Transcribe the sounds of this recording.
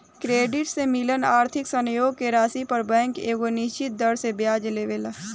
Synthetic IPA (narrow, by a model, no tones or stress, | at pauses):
kɾeːɖɪʈsemɪlənaːɾt̪ʰɪksə̃njoːɡkeɾaːsipɐɾbɛ̃ːŋkeːɡonɪʃt͡ʃɪt̪̚d̪əɾsebjaːd͡ʒleːʋelː